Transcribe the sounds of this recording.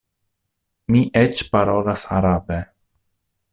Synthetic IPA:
miʔet͡ʃpaɾo̞lasa̰ɾabe

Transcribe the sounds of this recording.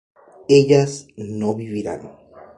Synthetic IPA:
eʎasnoβiβiɾa̰n

